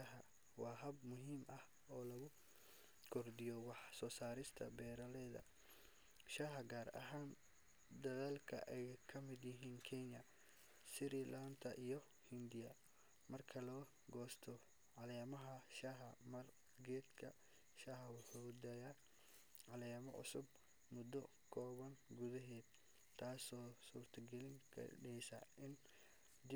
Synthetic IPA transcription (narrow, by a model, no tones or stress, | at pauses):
aɦɐ | wɑːɦɐbmʊɦiːmʔɐh | ɔːlɐɣʊ | kʰɔrd̪ɪjɔwɑħsɔːsaːɾɪst̪ʰɐ̰bɛːɾɐlɛːðɐ̰ | ʃaːɦɐɡaːɾɐ̰ɦaːn | d̪ɐðaːlkʰɐ̰ʔɛjkʰɐmɪd̪jɪɦiːnkʰɛɲɐ | sɪɾilant̪ʰɐʔijɔ | hɪnd̪ɪjɐ | mɐrkʰɐlɔː | ɡɔːst̪ʰɔ | ʕɑlɛːmɐɦɐʃɐɦɐmɐr | ɡɛːd̪kʰɐ̰ | ʃaɦɐwʊħud̪ɐja | ʕɑlɛːmɐ̰ʕʊ̰sʊb | mʊd̪ːɔ | kʰɔːβɐŋɡuðɐɦɛːd̪ | t̪ʰːaːsɔːsuːrt̪ʰɐɡɛlɪŋkʰɐ̰ɖɛjsɐ̰ʔɪn | d̪ɪ